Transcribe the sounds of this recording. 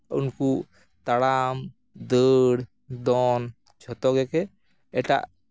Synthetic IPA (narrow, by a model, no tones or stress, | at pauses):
ṵnku | t̪aɽam | d̪əɽ | d̪ɔn | t͡ʃʰɔt̪ɔɡɛkɛ | ɛʈa̰ʔ